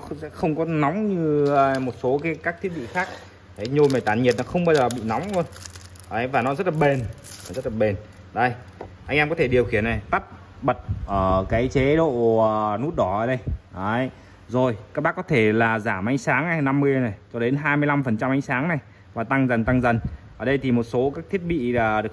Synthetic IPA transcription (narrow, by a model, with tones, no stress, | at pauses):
xsɛ̰˧˥xə˧wŋ͡mkɔ˨˦nɔ˨˦wŋ͡mɲɨ˧ə˨˧mo˨˩t̚so˨˦kaː˨˦jkaː˦˥k̚t̪ʰi˦˥ət̚ɓḭ˧˨xaː˦˥k̚ | ə˨˦jɲo˧jma˨˩jt̪aː˧˩nɲi˨˩t̚nɔ˨˦xə˧wŋ͡mɓaː˧zəː˨˩ɓḭ˧˨nɔ˨˦wŋ͡mlu˧ən | ʔə˨˦jvaː˨˩nɔ˨˦zə˦˥t̚laː˨˩ɓe˨˩n | əː˨˩zə˦˥t̚laː˨˩ɓe˨˩n | ɗə˧j | ʔa˧ŋʔɛː˧mkɔ˨˦t̪ʰe˧˩ɗi˨˩əwxi˧˩əna˨˩jt̪a˦˥p̚ | ɓə˨˩t̚ʔəː˧˩kaː˨˦jt͡ɕe˨˦ɗo̰˧˨ə˨nu˦˥t̚ɗɔ˨˦əː˧˩ɗə˧jʔə˨˦j | zo˨˩jkaː˦˥k̚ɓaː˦˥kɔ˨˦t̪ʰe˧˩laː˨˩zaː˧˩mʔa˨˦jŋ̟saː˨˦ŋa˨˩jna˧mːɨ˧əjna˨˩jt͡ɕɔ˧ɗe˨˦nɦaː˧jmɨ˧əjla˧mfə˨˩nt͡ɕa˧mʔa˨˦jŋ̟saː˨˦ŋna˨˩j | vaː˨˩t̪a˧ŋzə˨˩nt̪a˧ŋzə˨˩nʔəː˨˩ɗə˧jt̪ʰi˨˩mo˨˩t̚so˨˦kaː˦˥k̚t̪ʰi˦˥ət̚ɓḭ˧˨laː˨˩ɗə˨˩ə